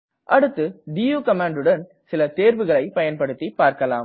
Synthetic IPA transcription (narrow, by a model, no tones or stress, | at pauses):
ʔɐɽɯt̪ːɯɖijuːkɐmaːɳɖɯɽɐn | sɪlɐt̪eːɾʋɯɣɐɭɐɪpɐjɐnpɐɽɯt̪ːipːaːɾkɐla̰ːm